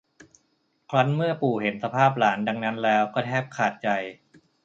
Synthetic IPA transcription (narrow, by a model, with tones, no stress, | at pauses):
kʰla˦˥nmɯ˥˩ɐpuː˨˩he˩˦nsa˧pʰaː˥˩p̚laː˩˦nda˧ŋna˦˥nlɛː˦˥wkɔː˥˩t̪ʰɛː˥˩p̚kʰaː˨˩t̪̚t͡ɕa˧j